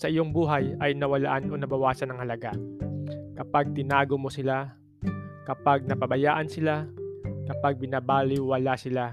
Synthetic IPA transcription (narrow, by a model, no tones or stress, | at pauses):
sɐʔɪjo̞ŋbuːɦɐjɐjnɐwɐla̰ʔanʔonɐbɐwaːsɐnɐŋhɐlɐɡa | kɐpaɡ̚t̪ɪnaːɡomosɪla | kɐpaɡ̚nɐpɐbɐjaːʔɐnsɪlakɐpaɡ̚bɪnabaːlɪwɐlasɪla